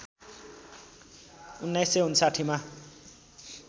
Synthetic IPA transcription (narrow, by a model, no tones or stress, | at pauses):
unːajseɦunsaʈʰima